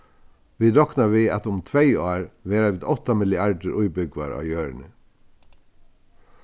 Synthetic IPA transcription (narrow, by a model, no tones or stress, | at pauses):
ʋiːɾɔknɑʋiːɑ̰t̪ʊmt̪ʰʋeɪɑːɾʋeːɾaʋɪd̪ɔt̪ɑmɪlɪæɖəɾʔuʏbʏɡʋɑ̰ɾɑ̰ːjøːɾəɳə